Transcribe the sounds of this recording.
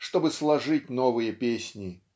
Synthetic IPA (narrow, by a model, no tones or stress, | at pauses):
ʂt̪obɨslˠɐʐɨt̚ʲnovɨjəpʲesʲnʲɪ